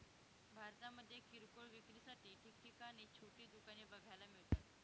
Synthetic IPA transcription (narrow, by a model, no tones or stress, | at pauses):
bʱaɾt̪aməd̪ʱːjekʰiɾkoɭʋikɾisaʈiːʈʰik̚ʈikañit͡ɕʰoʈiːd̪ukanebəɡʱajlamiɭt̪at̪